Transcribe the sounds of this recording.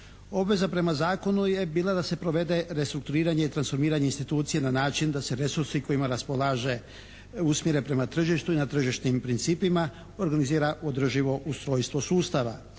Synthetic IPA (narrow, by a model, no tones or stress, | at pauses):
o̞bʋe̞zapɾe̞mazaːko̞nuje̞biːlˠad̪ase̞pɾo̞ʋe̞d̪e̞ɾe̞st̪ɾuk̚t̪uɾiːɾaɲe̞it̪ɾansfo̞ɾmiːɾaɲe̞inst̪it̪uːt̪sijenanaːt͡ʃind̪ase̞ɾe̞suɾsiko̞imaɾaspo̞lˠaːʒe̞ | usmje̞ɾepɾe̞mat̪r̩ʒiʃt̪uinat̪r̩ʒiʃt̪nimpɾint̪siːpima | o̞ɾɡaniziːɾaod̪r̩ʒiʋo̞ʔust̪ɾo̞ːjst̪ʋo̞suːst̪aʋa̰